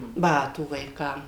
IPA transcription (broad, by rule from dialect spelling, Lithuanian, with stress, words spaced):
ˈbɑːtuː ʋɐɪˈkɐm